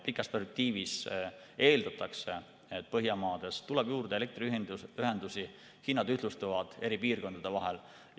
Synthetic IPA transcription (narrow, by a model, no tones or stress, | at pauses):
pikːˑɑst̪perspek̚t̪iːvise̞ːld̪ɑt̪ːˑɑkse̞ | et̪̚ːpɤɦjɑmɑːd̪̥e̞st̪ulɛb̥juːrd̪̥ele̞k̚t̪riyɦid̪yɦe̞nd̪usi | hinːɑd̪yh̪lust̪uvɑd̪̥e̞ɾipiːrko̞nd̪ɑd̪̥e̞vɑɦel